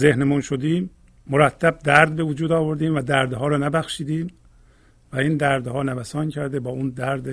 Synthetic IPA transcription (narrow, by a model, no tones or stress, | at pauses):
zehnemunʃod̪iːmː | oɾæt̪ʰːæb̚d̪æɾd̪̚be̞vod͡ʒuːd̪ɒːvoɾd̪iːmvæd̪æɾd̪ɦɒːɾɒːnæbæxʃiːd̪iːm | væiːnd̪æɾd̪hɒːnævæsɒːncʰæɾd̪ebɒːund̪æɾd̪